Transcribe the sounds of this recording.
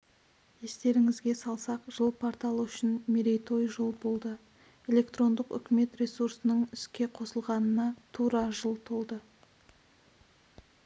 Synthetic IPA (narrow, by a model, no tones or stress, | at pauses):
je̞st̪e̞ɾɪŋɪzɡʲe̞sɑlˠsɑqʒəlˠpʰoɾt̪ɑlˠʏʃɪnmeɾejt̪ʰo̞jʒolˠbo̞lˠd̪ə | e̞lʲe̞kt̪ɾo̞nd̪əqʏ̰kʲɪme̞t̪ɾe̞suɾsənəɴʏskʲe̞qʰo̞səlˠʁɑnənɑt̪ʰuɾɑʒəlˠt̪ʰo̞lˠd̪ə